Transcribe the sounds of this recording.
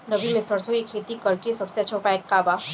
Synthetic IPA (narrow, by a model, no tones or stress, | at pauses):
nəbimẽsəɾsoikʰeːt̪ikɐɾkesɐbseɐtːʃʰopaeːkːaːbaː